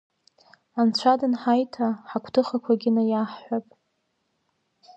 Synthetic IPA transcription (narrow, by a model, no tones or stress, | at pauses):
ant͡ɕʷʰadɨnħajtʰaħakʷʰtʰɨχakʷʰaɡʲɪnajaħħʷapʼ